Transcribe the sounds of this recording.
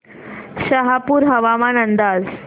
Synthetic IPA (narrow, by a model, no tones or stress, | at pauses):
ɕəɦapuːɾɦəʋamanənd̪ad͡z